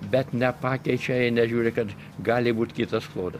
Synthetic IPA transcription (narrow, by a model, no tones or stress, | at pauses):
bʲɛt̪nʲɛpɑːkʲɛɪt͡ʃʲɛɪnʲɛʒʲuːɾʲɪkɐt̪ | ɡɑːlʲɪbuːt̪ʲkʲɪt̪ɐsklˠoːd̪ɐs